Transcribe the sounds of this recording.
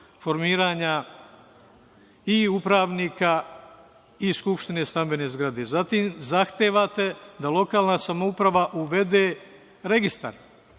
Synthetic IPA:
fo̞ɾmiːɾaːɲa | iupɾaːʋniːka | iskupʃt̪ine̞st̪ambe̞ne̞zɡɾad̪e̞zat̪iːmzaxt̪eːʋat̪e̞d̪alo̞kaːlˠnasamoupɾaʋaʔuʋe̞d̪e̞ː | ɾe̞ɡist̪a̰ɾ

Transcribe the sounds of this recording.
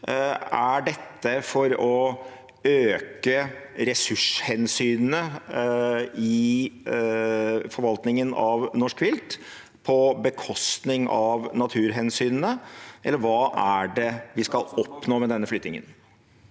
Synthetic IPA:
æɖɛt̪ːəfɔɾɔ | øːkəɾɛsʉʂhɛnsyːnənə | ɪ | fɔɾʋɑlt̪nɪŋənɑʋnɔʂkʋɪlt̪ | pʰɔbəkʰɔst̪nɪŋʔɑʋnɑt̪ʰʉːɾɦɛnsyːnənəʔɛlːəɾʋɑːʔæɖɛʋɪskɑlɔpnoːmɛd̪ɛnːəflʏt̪nɪŋə̰n

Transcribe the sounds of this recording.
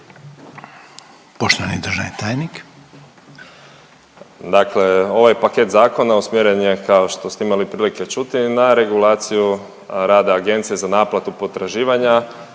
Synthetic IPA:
poʃt̪oʋanid̪ɾ̩ʒaʋnit̪aːjnik | d̪akle̞o̞ʋajpake̞t̪zaːko̞nausmjeɾenjekao̞ʃt̪o̞st̪eimalipɾiːlike̞t͡ʃut̪inaɾe̞ɡulaːt̪siju | ɾaːd̪aːɡe̞nt̪sijezanaːplat̪upo̞t̪ɾaʒiːʋaɲa

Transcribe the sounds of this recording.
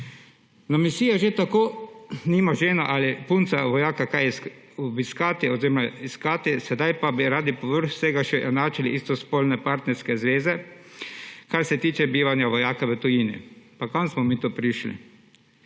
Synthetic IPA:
namisiːjaʒet̪akoːniːmaʒeːnaʔalipunt̪saʋɔjaːkakajs | ɔbiskaːt̪iɔziɾɔmaiskaːt̪isɛd̪ajpabiɾaːd̪ipɔʋəɾxsɛɡaʃɛʔɛnaːt͡ʃaliʔist̪ɔspoːlnɛpaɾt̪nɛɾskɛzʋeːzɛ | kaɾsɛt̪iːt͡ʃɛbiːʋanjaʋɔjaːkaʋət̪ɔjiːnḭpakansmɔmiːt̪oːpɾiʃlḭ

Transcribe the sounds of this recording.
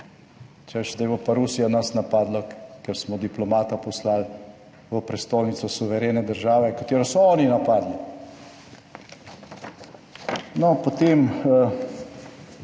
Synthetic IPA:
t͡ʃɛʃd̪ajbopaɾusijanasnapaːd̪lakɛɾsmɔd̪iplɔmaːt̪apɔslal | ʋəpɾɛst̪oːlnit̪sɔsuʋɛɾeːnɛd̪əɾʒaːʋɛkat̪eːɾɔsɔɔːninapaːd̪li | nɔpot̪eːmə

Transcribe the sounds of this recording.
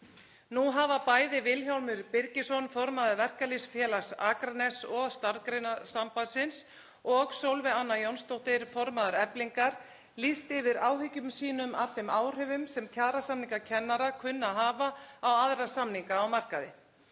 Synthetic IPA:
nuɦaːvapaːjðɪvɪlçawɾmʏɾpɪɾcɪsɔnfɔɾmaðaɾvɛr̥kalisfjɛːlasaːkɾanɛsɔɣst̪aɾkɾenasampasɪns | ɔɣsowlvɪanːajownst̪owht̪ɪɾ̥fɔɾmaðaɾɛpliŋkaɾ | list̪ɪvɪɾaːwɦʏcʏmsiːnʏmafɪmaːwr̥ʏvʏmsɛmcʰaːɾasamniŋkacʰɛnːaɾakʰʏnːaɦaːvaawaðɾḁsamniŋkaːwmar̥kaðɪ

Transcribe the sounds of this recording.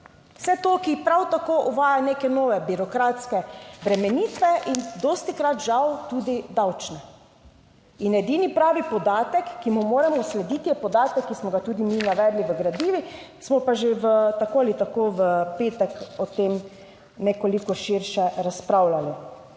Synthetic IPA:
wsɛt̪oːkipɾawt̪akoʔuʋaːjaneːkɛnoːʋɛbiɾɔkɾat̪skɛbɾɛmɛniːt̪ʋɛʔind̪ost̪ikɾat̪ʒawt̪uːd̪id̪awt͡ʃnɛ | inɛd̪iːnipɾaːʋipɔd̪aːt̪ɛkːimumoːɾɛmɔslɛd̪iːt̪ijɛpɔd̪aːt̪ɛkːismɔɡat̪uːd̪iminaʋɛːd̪liʋəɡɾad̪iːʋi | smɔpaʒeʋət̪akoalit̪akoʋəpeːt̪ɛkɔt̪em | nɛkɔlikɔʃiɾʃɛɾaspɾawlali

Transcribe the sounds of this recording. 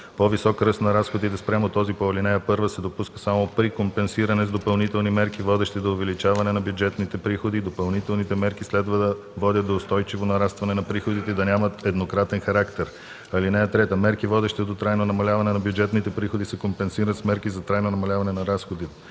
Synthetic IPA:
povisɔkɾɤst̪nɐɾasxod̪it̪ɛspɾʲamot̪ɔzipoɐlinɛjəpɤɾvəsɛd̪opuskə̥samopɾikompɛnsiɾɐnɛzd̪opɐlˠnit̪ɛlˠnimɛɾkivɔd̪ɛʃt̪ɛd̪oːvɛlit͡ʃavɐnɛnɐbjud͡ʒɛt̪nit̪ɛpɾixod̪id̪opɐlˠnit̪ɛlˠnit̪ɛmɛɾkislɛd̪vəd̪ɐ | vɔd̪ʲət̪d̪oːst̪ɔjt͡ʃivonɐɾast̪vɐnɛnɐpɾixod̪it̪ɛd̪ɐnʲamɐt̪ɛd̪nokɾat̪ɛnxɐɾakt̪ɛɾ | ɐlinɛjət̪ɾɛt̪əmɛɾkivɔd̪ɛʃt̪ɛd̪ot̪ɾajnonɐmɐlʲavɐnɛnɐbjud͡ʒɛt̪nit̪ɛpɾixod̪isɛkompɛnsiɾət̪smɛɾkizɐt̪ɾajnonɐmɐlʲavɐnɛnɐɾasxod̪it̪ɛ

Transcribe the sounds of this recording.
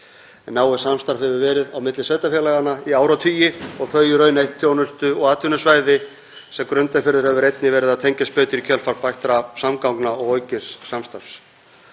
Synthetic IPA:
ɛnːaːwɪsamst̪aɾ̥fhɛvʏvɛːɾɪðawmɪt̪lɪsvejt̪afjɛlaɣanːaiaːwɾawt̪ʰyːjɪɔɣθʰœɥjʏɾœɥnejht̪ʰjownʏst̪ʏɔɣaːt̪ʰʏnʏsvaːjðɪ | sɛmkɾʏnt̪aɾfɪɾðʏɾhɛvʏɾejt̪nɪvɛːɾɪðaðt̪ʰeɲcast̪pœːt̪ʏɾicʰœlfaɾpajht̪ɾasamkawknaɔɣoːɥcɪsːamst̪ar̥fs

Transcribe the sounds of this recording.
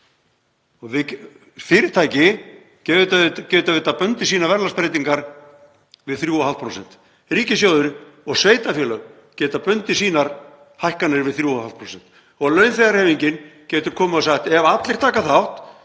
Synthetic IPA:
ɔɣvɪ | fɪːɾɪt̪ʰaːjcɪ | cɛt̪cɛːʏt̪avɪt̪ːapœnt̪ɪsiːnavɛɾlaspɾejt̪iŋkaɾ | vɪðθɾjuːɔhalt̪pʰɾowsɛn̥t̪ | riːcɪsjoːðʏɾʏ | ɔɣsveːjt̪afjɛːlœɣ | cɛːʏt̪apœnt̪ɪs̬iːnaɾ | hajhkanɪɾvɪðθɾjuːɔhalt̪pʰɾoːsɛn̥t̪ | ɔɣlœɥnθejɣaɾhɛːviɲcɪncɛːt̪ʏɾ̥kʰɔːmʏaðsaxt̪ɛvat̪lɪɾ̥t̪ʰaːkaθawht̪

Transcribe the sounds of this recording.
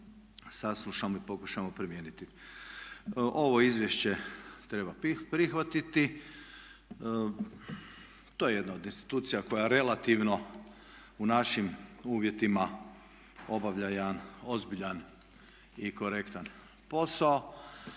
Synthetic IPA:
saslˠuʃamoipo̞kuʃamo̞pɾimjeːnit̪i | ʔo̞ʋo̞izʋjeʃt͡ɕe̞t̪ɾe̞bapɾixʋat̪it̪i | t̪ojeje̞d̪naod̪inst̪i̥t̪uːt̪sijako̞jaɾe̞lat̪iʋno̞ | unaʃimuːʋje̞t̪ima | o̞baʋʎajeano̞zbiʎan | iko̞ɾe̞kt̪an | po̞sao

